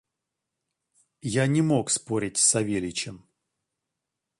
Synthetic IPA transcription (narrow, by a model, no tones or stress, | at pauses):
janʲɪmo̞kspoɾʲɪtʲsɐvʲelʲɪt͡ɕɪm